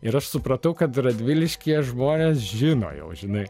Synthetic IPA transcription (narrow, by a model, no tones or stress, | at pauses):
ɪɾɐʃsʊpɾɐt̪ɐʊkɐt̪rɐd̪ʲʋʲɪlʲɪʃʲkʲiɛʒmoːnʲeːsʒʲɪno̰ːjɛ̰ʊʒʲɪnɐɪ